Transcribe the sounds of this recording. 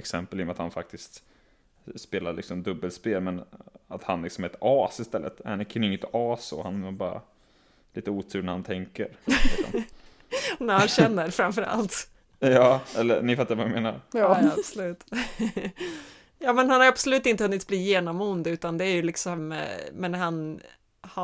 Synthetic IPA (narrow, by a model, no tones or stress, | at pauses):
ɛksɛmpəlɪjɔmat̪hanfak̚t̪ɪst̪ | speːlaɾɭɪ̰ksɔmd̪ɵbːəlspeːlmɛnat̪hanlɪksɔmɛt̪ɑːsɪst̪ɛlːə̰t̪anɪkʰːanɪŋːət̪ɑːso̰ːhanɛbɑːɾa̰ | liːt̪əuːt̪ʰʉɾnɾhant̪ʰɛŋkə̰ɾɪsɔ̰m | næhanɕɛnːəɾfɾamfœɾa̰lt̪ | jɑːɛlːə̰nɪfat̪ːaɾvaameːna̰ɾjabsʊlʉ̟ːt̪ | jɑːmɛnhanhaɾjʉabsɔlʉ̟ːt̪ɪnt̪əhɵnːɪt̪̚bliːjeːnɔmʊnd̪ʉ̟ːt̪and̪ɛæɾjɵlɪksɔmmɛnɦan | h